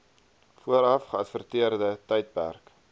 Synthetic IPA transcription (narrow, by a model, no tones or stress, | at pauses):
fuəɾɐfχəɐtfərtiərdətɛjt̚pæ̰rk